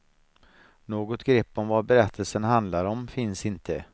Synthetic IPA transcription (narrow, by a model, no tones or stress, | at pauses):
noːɡɔt̪ɡɾɛpːɔmvabɛɾɛt̪ʰːəlsənɦand̪laɾɔmfɪnsɪnt̪ʰə